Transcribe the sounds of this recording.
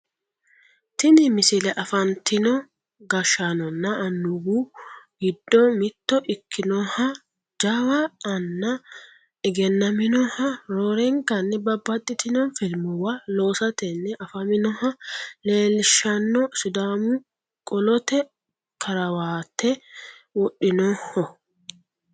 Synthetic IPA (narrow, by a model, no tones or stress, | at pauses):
t̪ɪnɪmɪsɪlɛʔɐfɐnt̪ːɪnɔ | ɡɐʃɐnɔnːɐɐnːʊɡuɡɪd̪ːɔmɪt̪ːɔʔɪkːɪnɔhɐ | d͡ʒɐwɐːnːɐ | ɪɡɛnːɐmɪnɔhɐɾoːɾɛŋkɐnːɛbɐbːɐt̪ʼːɪt̪ɪnɔfɪlmʊwɐlo̞ːsɐt̪ɛnːɛʔɐfɐmɪnɔhɐle̞ːlɪʃɐnːɔsʊd̪aːmʊ | kʼɔlɔt̪ɛ | kʰɐɾɐwaːt̪ːɛwɔɗɪnɔhɔ